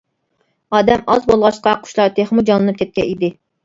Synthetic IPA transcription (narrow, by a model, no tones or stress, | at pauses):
ɑːd̪ɛmɑzbolˠʁɑʃqʰɑqʰʊ̥ʃlˠɑɾt̪ʰeχmud͡ʒɑlˠɨnɨp̚kʲʰɛt̪̚kʲɛ̰nid̪ɪ